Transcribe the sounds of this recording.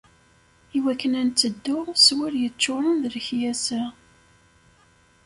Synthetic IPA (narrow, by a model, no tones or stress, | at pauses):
iwækːənænt͡sːəd̪ːʊswiɾjət͡ʃːʊɾˤənðələçjæsæ